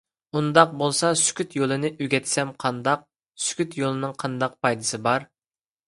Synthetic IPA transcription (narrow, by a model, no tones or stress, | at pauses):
und̪ɑq̚bolˠsɑsy̥kʲyt̪jolˠɨnɨʔyɡʲɛt̪ʰsɛmqʰɑnd̪ɑq̚ | sy̥kʲyt̪jolˠɨnɨŋqʰɑnd̪ɑq̚pʰɑjd̪ɨsɨbɑɾ